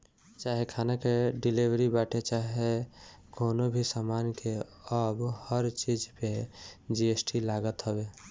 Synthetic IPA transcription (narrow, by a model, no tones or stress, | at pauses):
t͡ʃaɦekʰanakeɖilibɾibaʈʰet͡ʃaɦe | konobʱisamankʰeəbhəɾt͡ʃid͡ʒped͡ʒiesʈʰilaɡət̪ɦəbe